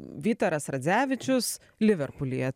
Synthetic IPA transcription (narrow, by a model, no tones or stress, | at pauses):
ʋʲiːt̪oːɾɐsɾɐd̪zʲæːʋʲɪt͡ʃʲʊs | lʲɪʋʲɛɾpʊlʲḭjɛ